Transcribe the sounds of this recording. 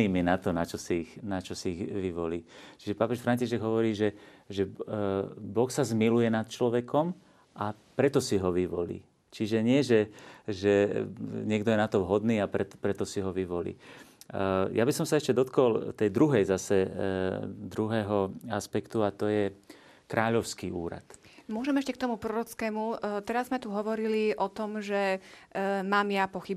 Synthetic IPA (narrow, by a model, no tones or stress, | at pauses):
iːmɛnat̪ɔnat͡ʃɔsiixnat͡ʃɔsiːɣʋiʋɔliːt͡ʃiʒɛpapɛʃfɾaɲciʃɛɡɦɔʋɔɾiːʒɛʒɛ | bɔxsazmilujɛnat̪̚t͡ʃlɔʋɛkʰɔm | ʔa | pɾɛt̪ɔsiɦɔʋiʋɔlḭː | t͡ʃiʒɛɲɪɛʒɛʒɛɲɪɛɡd̪ɔjɛnat̪ɔʋɦɔd̪niːapɾɛt̪pɾɛt̪ɔsiɦɔʋiʋɔlḭː | jabisɔmsaɛʃcɛd̪ɔt̪kɔlt̪ɛjd̪ɾuɦɛjzasɛ | d̪ɾuɦɛːɦɔaspɛkt̪uat̪ɔjɛ | kɾaːʎɔʊskiːuːɾa̰t̪mʊɔʒɛmɛʃcɛk̚t̪ɔmupɾɔɾɔt͡skɛːmut̪ɛɾazmɛt̪uɦɔʋɔɾiliʔɔt̪ɔmʒɛ | maːmjapɔxib